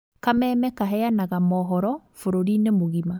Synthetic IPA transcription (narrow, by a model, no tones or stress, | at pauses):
kamɛːmɛkaɦɛjanaɣamɔːɦɔɾɔfoɾoɾinemoɣima